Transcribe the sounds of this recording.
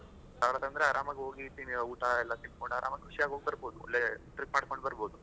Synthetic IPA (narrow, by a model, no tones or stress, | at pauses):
saːʋɾɐt̪ɐnd̪ɾeaːɾaːmɐɡeɦoːɡit̪inuːʈaɛlːɐt̪iɭkoɳɖuaːɾʔa̰ːmɐkːeʋiʂjaːɡɦoɡ̚bɐɾboːd̪uɐ̰lːeʈɾikmaːɽkoɳɖbɐɾboːd̪u